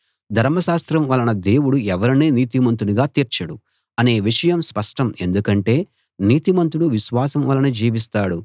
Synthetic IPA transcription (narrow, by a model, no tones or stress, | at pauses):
d̪ʱɐɾmɐʃaːst̪ɾɐmʋɐlɐnɐd̪e̞ːwuɽuɛʋɐɾɐneːniːt̪imɐnt̪uniɡaːt̪iːɾt͡ʃɐɽu | ɐne̞ːʋiʂɐjɐmspɐʂʈɐme̞nd̪ukɐɳʈe̞ː | niːt̪imɐnt̪uɽuʋiʃʋaːsɐmʋɐlːɐnud͡ʒiːʋis̬t̪aːɽu